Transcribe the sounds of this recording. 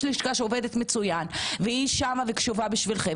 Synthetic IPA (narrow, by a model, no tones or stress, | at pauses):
liʃkaʃeove̞d̪et̪met͡sujanveiʃamavekʃuvabiʃvilχe